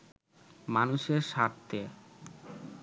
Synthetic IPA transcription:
manuʃeɾʃaɾt̪ːe

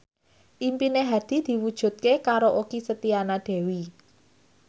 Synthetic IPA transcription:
ʔimpineɦad̪̥i̤d̪̥i̤wud̥ʒ̥ṳt̪̚kekaɾoʔokisət̪ianaɖ̪̥ɛ̤wi

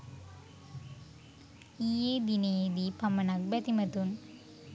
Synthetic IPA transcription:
iːjed̪ineːd̪ipɐmɐnɐk̚bɐt̪imɐt̪un

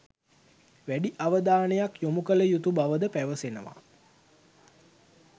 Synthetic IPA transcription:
ʋæɖiʔaʋəd̪aːnəjakjomukələjut̪ubaʋəd̪əpæʋəsenə̰ʋa̰

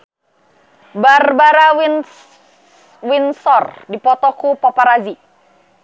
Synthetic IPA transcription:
barbaɾaw | winsɔrdipɔt̪ɔkupɔpaɾazi

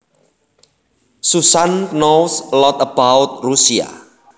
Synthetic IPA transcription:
susannowslɔt̪əbawt̪̚rusia̰

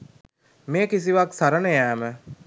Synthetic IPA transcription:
meːkis̬iʋaksaɾənəjæːmə

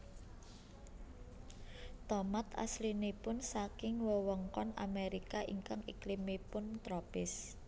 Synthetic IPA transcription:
t̪ɔmat̪a̰slinepʊnsakɪŋwəwɔŋkɔna̰meɾikaʔiŋkaŋiklimepʊnt̪ɾɔpɪs

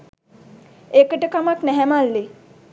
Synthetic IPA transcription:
ekəʈəkamaknɛɦɛmalːe

